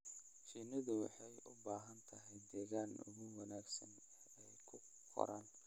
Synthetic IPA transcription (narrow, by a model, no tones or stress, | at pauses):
t͡ʃiːnɐðʊwɑ̰ħɑjʔʊbaːɦɐnt̪ʰɐɦɛjd̪ɛːɣaːnʊ̰ɣʊwɑnaːɡsɐ̰n | ɛjkʰʊ | qʰɔ̰ɾʔaːn